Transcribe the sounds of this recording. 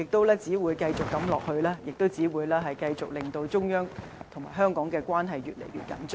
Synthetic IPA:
jɪ˨k̚t̪o˥wlɛː˥t͡siː˨˥wuː˨˧jkɐ˧jt͡sʊ˨kːɐ˨˥mlɔː˨k̚hɵ˧ɥlaː˥jɪ˨k̚t̪o˥wt͡siː˨˥wuː˨˧jlɛː˥ɦɐ˨jkɐ˧jt͡sʊ˨k̚lɪ˨ŋt̪o˧wt͡sʊ˥ŋjœː˥ŋ | t̪ʰʊ˨˩ŋmaː˨˩jɦœː˥ŋkɔː˨˥ŋkɛː˧kwaː˥nɦɐ˨jɥy̰ː˨t̚lḛ˨˩jɥy̰ː˨t̚kɐ̰˨˥nt͡ʃː

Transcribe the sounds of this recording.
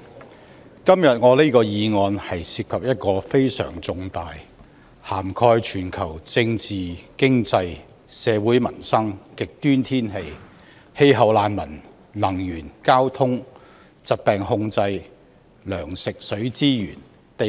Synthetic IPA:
kɐ˥mjɐ˨t̚ŋɔː˨˧liː˥kɔː˧jiː˨˧ŋɔː˧nhɐ˨jsiː˧p̚kʰɐ˨p̚jɐ˥t̚kɔː˧fe˥jsœ̰ː˨˩ŋt͡sʊ˨˧ŋt̪aː˨j | haː˨˩mkʰɔː˧jt͡ʃʰyː˨˩nkʰɐ˨˩wt͡sɪ˧ŋt͡siː˨kɪ˥ŋt͡sɐ˧j | sɛː˨˧wuː˨˥jmɐ̰˨˩nsɐ˥ŋkɪ˨k̚t̪yː˥nt̪ʰiː˥nɦe˧j | he˧jɦɐ˨˩wlaː˨˧nmɐ˨˩n | lɐ˨˩ŋjyː˨˩nkaː˥wt̪ʰʊ˥ŋ | t͡sɐ˨t̚pɛː˨ŋhʊ˧ŋt͡sɐ˧j | lœː˨˩ŋsɪ˨k̚sɵ˨˥ɥt͡siː˥jy̰ː˨˩n | t̪e˨

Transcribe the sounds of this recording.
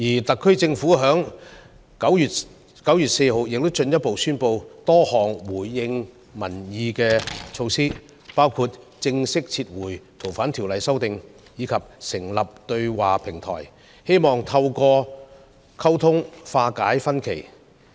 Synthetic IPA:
jiː˨˩t̪ɐ˨kʰːɵ˥ɥt͡sɪ˧ŋfuː˨˥ɦœː˨˥ŋ | kɐ˨˥wjyː˨t̚ | kɐ˨˥wjyː˨˩t̚se˧jɦo˨˧wjɪ˨k̚t̪o˥wt͡ʃɵ˧njɐ˥t̚po˨wsyː˥npo˧wt̪ɔː˥hɔː˨˩ŋwuː˨˩jːɪ˧ŋ | mɐ˨˩njiː˨˧kɛː˧t͡ʃʰo˧wsiː˥ | paː˥wkʰu˧t̚ | t͡sɪ˧ŋsɪ˥k̚t͡sʰiː˧t̚wuː˨˩jt̪ʰo˨˩wfaː˨˥nt̪ʰi˨˩wlɐ˨jsɐ˥wt̪ɪ˨˧ŋ | jiː˨˧˥kʰɐ˨p̚sɪ˨˩ŋlɐ˨p̚t̪ɵ˧ɥwaː˨pʰɪ˨˩ŋt̪ʰɔ̰ː˨˩j | he˥jmɔː˨ŋt̪ʰɐ˧wkɔː˧ | kʰɐ˥wt̪ʰʊ˥ŋfaː˧kaː˨˥jfɐ˥nkʰe˨˩j

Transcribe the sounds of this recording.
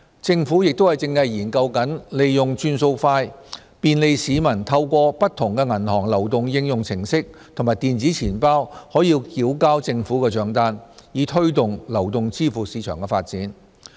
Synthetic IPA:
t͡sɪ˧ŋfuː˨˥jɪ˨k̚t̪o˥whɐ˨˩jt͡sɪ˧ŋɐ˨˧jjiː˨˩nkɐ˧wkɐ˨˥nle˨jːʊ˨˩ŋt͡ʃyː˧nso˧wfaː˧j | piː˨nle˨˧jsiː˨˧mɐ˨˩nt̪ʰɐ˧wkʷɔː˧pɐ˥t̪ʰːʊ˨˩ŋkɛː˧ŋɐ˨˩nhɔː˨˩ŋlɐ˨˩wt̪̬ʊ˨ŋjɪ˧ŋjʊ˨ŋt͡sʰɪ˨˩ŋsɪ˥k̚t̪ʰʊ˨˩maː˨jt̪iː˨nt͡siː˨˥t͡sʰiː˨˩npaː˥whɔː˨˥jiː˧wkiː˨˥wkaː˥wt͡sɪ˧ŋfuː˨˥kɛː˧t͡ʃœː˨˧ŋt̪aː˥njiː˨˧t̪ʰɵ˥ɥt̪ʊ˨ŋlɐ˨˩wt̪ʊ˨ŋt͡siː˥fuː˨˩siː˨˧t͡ʃʰœː˨˩ŋkɛː˧faː˧t̚t͡siː˨˥n

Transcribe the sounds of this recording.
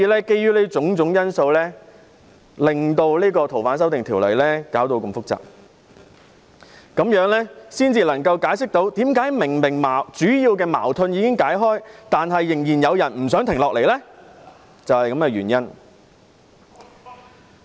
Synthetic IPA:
iː˧lɛː˥ke˧jyː˥leː˥t͡sʊ˨˥ŋt͡sʊ˨˥ŋjɐ˥nso˧wlɛː˥ | lɪ˨ŋt̪o˧wliː˥kɔː˧t̪ʰwfaː˨˥ns̬ɐ˥wt̪ɪ˨ŋt̪ʰiː˨˩wlɐ̰˨˩jlɛː˥kaː˨˥wt̪o˧wkɐ˧mfʊ˥k̚t͡sa̰ː˨˩p̚ | kɐ˨˥mjœː˨˥ŋlɛː˥siː˥nt͡siː˧lɐ˨˩ŋkɐ˧wkaː˨˥jsɪ˥k̚t̪o˨˥wt̪iː˨˥mkaː˨˥jmɪ˨˩ŋmɪ˨˩ŋmaː˨˩wt͡syː˨˥jiː˧wkɛː˧ma̰ː˨˩wt̪ʰɵ˧njiː˨˧kɪ˥ŋkaː˨˥jɦɔː˥jt̪aː˨nɦɐ˨jːɪ˨˩ŋjiː˨˩njɐ˨˧wjɐ˨˩nm̩˨˩sœː˨˥ŋt̪ʰɪ˨˩ŋlɔː˨k̚le˨˩jlɛː˥ | t͡sɐ˨whɐ˨jkɐ˨˥mkɛː˧ɥyː˨˩njɐ˥n

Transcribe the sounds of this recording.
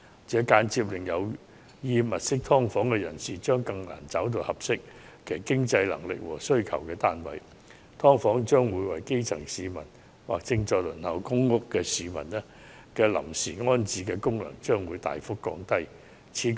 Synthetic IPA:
t͡sɛː˨˥kaː˨˥nt͡si˧p̬̚lɪ˨˩ŋjɐ˨˧w | jiː˧mɐ˨t̚sɪ˥k̚t̪ʰɔː˥ŋfɔː˨˥ŋkɛ˧jɐ˨˩nsiː˨t͡ʃœː˥ŋkɐ˧ŋna̰ː˨˩nt͡sɐ˨˥wt̪̬o˧whɐ˨p̚sɪ˥k̚ | kʰe˨˩kɪ˥ŋt͡sɐ˧jlɐ̰˨˩ŋlɪ̰˨k̚wɔ̰ː˨˩sɵ˥ɥkʰɐ̰˨˩wkɛː˧t̪aː˥nwɐ̰˨˥j | t̪ʰɔː˥ŋfɔː˨˥ŋt͡ʃœː˥ŋwuː˨˧jwɐ˨jke˥jt͡sʰɐ˨˩ŋsiː˨˧mɐ̰˨˩n | wa̰ː˨k̚t͡sɪ˧ŋt͡ʃɔː˧lɵ˨˩nhɐ˨˩wkʊ˥ŋːʊ˥kkɛː˧siː˨mɐ̰˨˩nɛ˥ | kɛ˧lɐ̰˨˩msiː˨˩ŋɔː˥nt͡siː˨˥kɛː˧kʊ˥ŋlɐ̰˨˩ŋt͡ʃœː˥ŋwuː˨˧jt̪a̰ː˨jfʊ˥kːɔ̰ː˨˧ŋt̪ɐ˥j | t͡sʰiː˨˥

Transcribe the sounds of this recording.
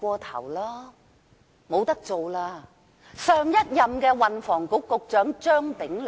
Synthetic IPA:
ɔː˧t̪ʰɐ̰˨˩wlaː˥ | mo˨˧wt̪ɐ˥k̚t͡so˨wlaː˧ | sœː˨˧ŋjɐ˥t̚jɐ˨mkɛː˧wɐ˨nfɔː˨˩ŋkʊ˨˥kːʊ˧k̚t͡ʃœː˨˥ŋt͡ʃœː˥ŋp̪ɪ˨˥ŋl

